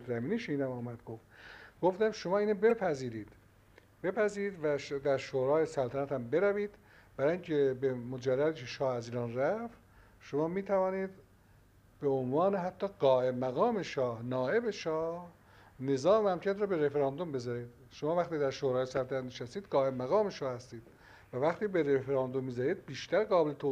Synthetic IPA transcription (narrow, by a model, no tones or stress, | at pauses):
zæmiːniːʃinæmɒːmæd̪ɡoft̪ɡoft̪æmʃomɑːiːnebe̞pʰæziːɾiːd̪̥ | b̥e̞pʰæziːɾiːd̪væd̪æɾʃoɾɑːjesælt̪ʰænæt̪ʰæmbe̞ɾæviːd̪̥ | b̥æɾɑːjiŋcʰebemod͡ʒærːæd̪iːkʰeʃɒːhæziːɾɑːnræft̪ | ʃomɑːmiːt̪ʰævɒːniːd̪ | b̥eonvɑːneɦæt̪ʰːɒːɡɒːʔemæɣɑːme̞ʃɒːhnɒːʔe̞be̞ʃɒːh | ne̞zɒːmehæmcʰæt̪ɾɑːbe̞ɾefeɾɑːnd̪ombe̞zɒɾiːd̪̥ | ʃomɑːvæxt̪iːd̪æɾʃoɾɒːjesælt̪ʰænæt̪neʃæst̪iːd̪̥ɡɒːe̞mæɣɒːmeʃɒːhæst̪iːd̪̥ | vævæxt̪iːbeɾefeɾɑːnd̪omːiːzɒɾiːd̪̚biːʃt̪æɾɡɒːbelet̪ʰo